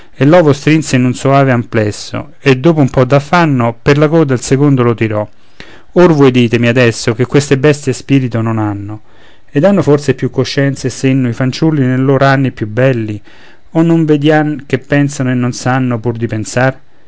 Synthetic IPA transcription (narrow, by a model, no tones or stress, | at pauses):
elːɔːvost̪ɾinseinunsoaːveamplɛsːo̰ | ed̪ːoːp̬oumpɔd̪ːafːanːoperlakɔːd̪elsekond̪olot̪iɾɔ | orvɔjd̪iːt̪emiad̪ɛsːokekːwest̪ebɛst̪jespiːɾit̪ononanːo | ed̪anːofort̪sepjukːoʃːɛnt̪sesenːoifant͡ʃulːinelːoːɾoanːipjubːɛlːi | onːoɱved̪jank̟epːɛnsanoenːonsanːopurd̪ipensar